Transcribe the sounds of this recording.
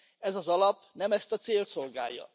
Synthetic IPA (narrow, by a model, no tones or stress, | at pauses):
ɛzɒzɒlɒpnɛmɛst̪ɒt̪seːlt̪so̞lɡa̰ːjːɒ̰